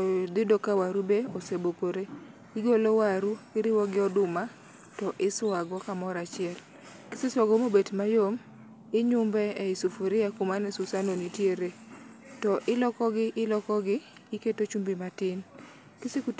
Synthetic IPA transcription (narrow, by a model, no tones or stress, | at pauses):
d̪ɪdokawaɾubeosebokoɾe | iɡolowaɾuɪɾɪwɔɡɪɔdʊma | tɔʔɪswaɡɔkamɔɾat͡ʃɪɛl | kɪsɪswaɡɔmobetmajom | ɪɲʊmbɛɛɪsufuɾɪakʊmanɛsusanonitjeɾe | tɔʔɪlɔkɔɡɪʔɪlɔkɔɡɪː | ketot͡ʃumbimatɪn | kɪsɪku